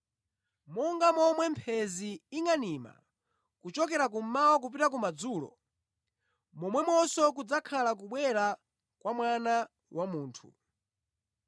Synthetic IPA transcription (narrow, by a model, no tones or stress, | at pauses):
mɔŋɡamɔmwɛmpʰɛziːŋanima̰ | kut͡ʃɔkɛɾak̬um̩mawɔk̬up̬itak̬umad͡zuːlɔ̰ | mɔmwɛmɔsɔkud͡zakʰalak̬uɓwɛɾa | kwamwana | wʔamuːntʰṵ